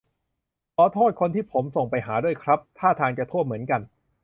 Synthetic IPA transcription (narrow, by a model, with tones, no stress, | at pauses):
kʰɔː˨˦t̪ʰoː˥˩t̪̚kʰo˧nt̪ʰiː˥˩pʰo˩˦mso˨˩ŋpa˧jɦaː˩˦du˥˩əjkʰɾa˦˥p̚t̪ʰaː˥˩t̪ʰaː˧ŋt͡ɕa˨˩t̪ʰu˥˩əmɯ˩˦ənka˧n